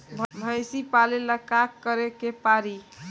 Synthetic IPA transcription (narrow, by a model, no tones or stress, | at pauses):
bʱbʱəjsipaleləkakːəɾekepaɾi